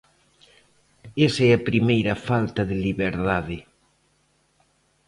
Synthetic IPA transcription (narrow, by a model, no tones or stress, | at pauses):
esɛɐpɾimejɾɐfalt̪ɐðɪliβeɾðaðɪ